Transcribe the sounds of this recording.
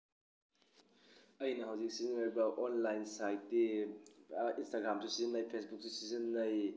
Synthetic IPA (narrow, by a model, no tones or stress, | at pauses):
ɐjnɐɦɐwzik̚sizinojbɐʔonlajnsajtːe | instaɡɾamsusizinːajpʰesbuk̚susizɐnːɐj